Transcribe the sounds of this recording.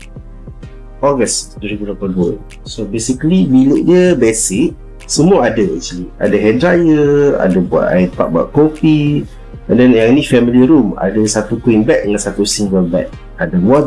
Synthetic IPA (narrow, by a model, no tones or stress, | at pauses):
ɔɡəsduəɾibudapaduə | sobesikəlimilʊʔɲəbɛsɪʔ | səmuaadəɛ̰ʔt͡ʃlia̰dəɦɛdɾajəa̰dəbua̰t̪a̰ɪpaʔ̚ba̰ʔkɔpi | əndɛnjaŋnifɛmiliɾuma̰dəsat̪ukuinbɛk̚ɲãsat̪usiŋɡəlbɛ̰k̚ | adəwa